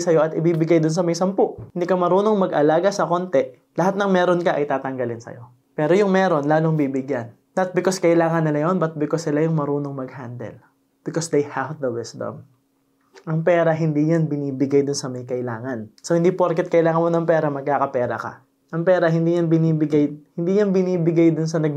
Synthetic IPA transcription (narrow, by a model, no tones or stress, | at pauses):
sɐjo̞ʔɐt̪ɪbiːbɪɡajd̪ʊnsɐmɐjsɐmpoʔhɪnd̪iːkɐmɐɾuːno̞ŋmɐɡʔɐlaːɡɐsɐko̞nt̪ɛ | lɐɦat̪̚nɐŋmɛːɾo̞nkɐʔɐjt̪aːt̪ɐŋɡɐlɪnsɐ̰jo̞ | pɛːɾo̞jʊŋmɛːɾo̞nlaːloŋbiːbɪɡjanːɐt̪̚bɪkoskɐʔɪlaːŋɐnːɪlɐjo̞nbɐt̪̚bɪkosːɪlajʊŋmɐɾuːno̞ŋmɐɡ̚hand̪ɛ̰l | b̥ɪkosd̪ejhavðɐwɪsd̪ɐ̰m | ʔɐŋpɛːɾɐɦɪnd̪iːjanbɪniːbɪɡajd̪ʊnsɐmɐjkɐʔɪlaːŋɐnsowhɪnd̪iːpoɾkɛt̪̚kɐʔɪlaːŋɐnmonɐŋpɛːɾɐmɐɡ̚kaːkɐpɛːɾɐ̰kɐ̰ | ʔɐŋpɛːɾɐɦɪnd̪iːjɐnbɪniːbɪɡajhɪnd̪iːjanbɪniːbɪɡajd̪ʊns̬ɐnɐɡ̚